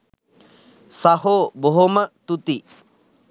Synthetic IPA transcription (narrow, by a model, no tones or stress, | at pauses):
sahoboɦomət̪ut̪i